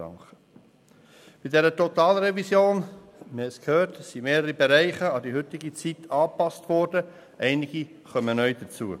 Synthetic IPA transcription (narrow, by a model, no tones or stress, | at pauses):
ɑ̰ŋχə | b̥idɛɾətɔt̪ɑːlɾɛvisjoːn | məhɛskhøːɾtssimeːɾəɾibɛɾæɪχəɑd̪iɦʏt̪ɪɡit͡sitʰɑːpɑstʋɔɾd̥ə | ʔɛɪnɪɡi | χœmənœʏd̥ət͡suːə